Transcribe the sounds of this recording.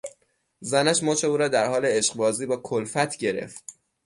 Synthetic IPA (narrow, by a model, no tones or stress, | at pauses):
zænæʃmoːt͡ʃʰe̞uːɾɒːd̪æɾhɒːleeʃqbɒːziːbɒːkʰolfæt̪ʰɟe̞ɾḛft̪̚